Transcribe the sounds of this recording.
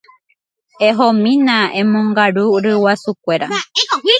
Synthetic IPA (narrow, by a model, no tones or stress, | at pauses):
eɦomĩnãẽmõŋɡaɾuɾɨwasukʷe̞ɾa